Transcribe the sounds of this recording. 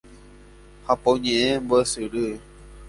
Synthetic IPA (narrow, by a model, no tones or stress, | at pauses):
hapoɲẽẽmbosɨɾɨ